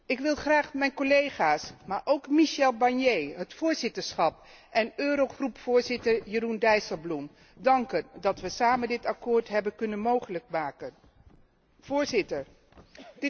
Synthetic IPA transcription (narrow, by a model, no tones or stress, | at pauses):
ɪkʋɪlˠχraːχmɛjnkolejχaːsmaːɹʔowkmiʃɛlˠbɑɹnjejɦətfʊːɹzɪtəɹsχɑp | ʔɛnøːɾowχrupfʊːɹzɪtəɹjərundɛjsəblum | dɑŋkəndɑtʋəsaːməndɪtɑkoːɹtɦɛbənkɵnənmowχələk̚maːkən | v̥ʊːɹzɪtəɹ | dɪ